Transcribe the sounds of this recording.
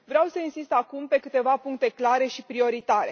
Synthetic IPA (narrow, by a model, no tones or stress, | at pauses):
vɾeawsəinsist̪akumpe̞kɨt̪e̞vapuŋk̚t̪e̞klaɾe̞ʃipɾio̞ɾit̪aɾe̞̰